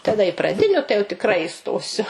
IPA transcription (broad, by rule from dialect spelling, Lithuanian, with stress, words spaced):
tɐˈdɐ ɪ prɐˈdʲɪnʲʊ tɐɪ jɛʊ tʲɪkˈrɐɪ ɪˈstoːsʲʊ